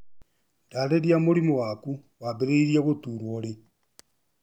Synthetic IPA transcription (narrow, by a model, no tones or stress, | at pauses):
ndaleɾjamoɾimowaku | waβeɾeiɾjaɣotuɾwole